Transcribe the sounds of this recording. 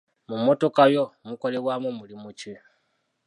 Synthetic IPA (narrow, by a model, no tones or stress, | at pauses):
mumo̞to̞kajo̞muko̞le̞βwaːmumulimuci